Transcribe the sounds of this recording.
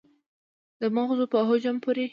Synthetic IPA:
d̪əmaɣzopəɦod͡ʒampoɾe

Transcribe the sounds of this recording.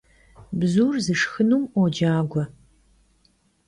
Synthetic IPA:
bzuːrzɨʂxɨnuːmɔd͡ʒaːɡʷɔ

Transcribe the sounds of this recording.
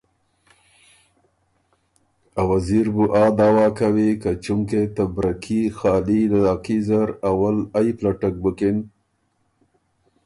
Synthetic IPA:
awaziɾbuʔɑd̪ɑwɑkawikat͡ʃumket̪abɾakʰixɑlilad̪ɑqizaɾawalajplaʈak̚bəkɪn

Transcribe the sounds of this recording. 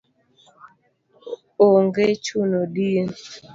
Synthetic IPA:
oŋɡet͡ʃunodin

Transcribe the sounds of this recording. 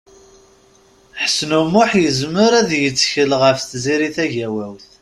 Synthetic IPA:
ħəsnumʊħjəzməɾæðjət͡sːçəlʁəfθziɾiθæʝæwæwθ

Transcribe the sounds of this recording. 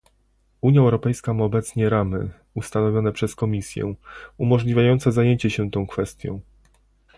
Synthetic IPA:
uɲjaɛwɾɔpɛjskamaɔbɛt̪sɲɛɾamɘ̰ | ust̪anɔvʲjɔnɛpʂɛskɔmʲisʲjɛ̰umɔʐlʲivʲjajɔnt̪sɛzajeɲt͡ɕɛɕɛt̪ɔ̃w̃kfɛst̪ʲjɔ̰̃w̃

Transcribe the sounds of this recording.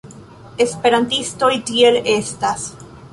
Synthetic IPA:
espe̞ɾant̪ist̪oit̪ielest̪as

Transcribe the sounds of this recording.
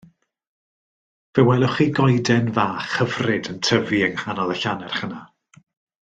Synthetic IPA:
vɛwɛlˠɔχiɡɔjdɛnvaːχəvrɪdəntʰəviəŋhanɔðˠəɬanɛr̥χəna

